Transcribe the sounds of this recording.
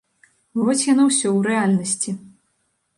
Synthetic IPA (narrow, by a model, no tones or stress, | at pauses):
vɔvɐt͡sʲjanawsʲɔwɾɛalʲnɐsʲt͡sʲi